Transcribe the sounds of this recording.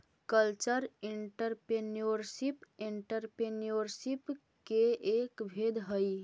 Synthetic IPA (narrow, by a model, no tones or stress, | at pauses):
kəlt͡ʃəɾiɳʈəɾpɾenioɾsipeɳʈəɾpenioɾsip | keekbʱed̪ɦəj